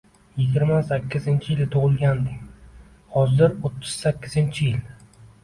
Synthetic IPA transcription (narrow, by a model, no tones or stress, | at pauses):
jɪɡʲɪɾmasakʲʰːɪzɪnt͡ʃʰɪjɪlt̪ʰʊʁɨlˠɡʲand̪ɪkʲ | hɒzɪɾot̪ʰːɪz̥sakʲʰːɪzɪnt͡ʃʰɪjɪl